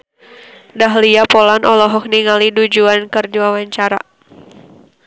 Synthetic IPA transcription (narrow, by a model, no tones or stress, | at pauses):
daɦliapɔlanʔɔlɔɦɔk̚niŋalidud͡ʒuankɨrdiwawaɲt͡ʃaɾa̰